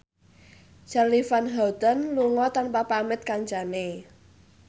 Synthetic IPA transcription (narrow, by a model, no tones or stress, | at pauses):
t͡ʃarlifanɦawd̪anluŋɔt̪anpapamɪt̪̚kaɲt͡ʃane